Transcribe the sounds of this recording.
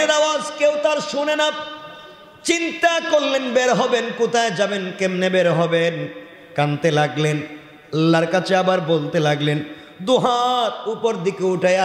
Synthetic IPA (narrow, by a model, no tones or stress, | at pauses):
ed̪awad͡ʑkewt̪aɾʃunena | t͡ɕint̪akoɾːenbeɾɦɔbenkut̪aed͡ʑabenkemnebeɾɦɔben | kant̪elaɡlen | alːaɾkat͡ɕʰeabaɾbolt̪elaɡlen | d̪uɦaɾupoɾd̪ikeuʈaea